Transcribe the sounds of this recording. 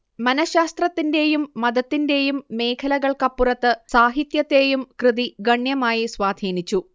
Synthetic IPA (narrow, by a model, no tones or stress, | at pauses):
mɐnɐɕaːst̪rɐt̪ːinde̞jumːɐd̪ɐt̪ːinde̞jumːe̞ːkʰɐlɐɣɐɭkɐpːurɐt̪ːɨsaːɦit̪jɐt̪ːe̞ːjumkrɨðiɡɐɳjɐmaːjiswaːd̪ʱiːnit͡ɕːu